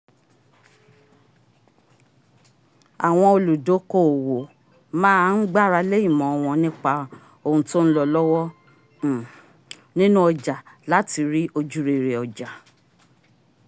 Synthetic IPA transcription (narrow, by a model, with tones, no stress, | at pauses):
a˨w̃ɔ̃˧o˧lu˨do˨˦ko˦˨wo˨ | mãː˦˧n̩˦ɡ͡ba˦˨ɾa˧le˦ĩ˦˨mɔ̃˨ɔ˧w̃ɔ̃˧nĩ˦k͡pa˧ | o˦˨ũ˧to˦ñ̩˦lɔ˧lɔ˦wɔ˦˨ | nĩ˦nũ˦ɔ˧d͡ʒa˨ | la˨˦ti˧ɾi˦ʔo˧d͡ʒu˦ɾe˨ɾe˨ɔ˨d͡ʒa˨